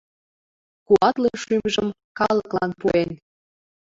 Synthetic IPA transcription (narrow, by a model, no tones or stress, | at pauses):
kuɑt̪leʃymʒəm | kɑləklɑnpuen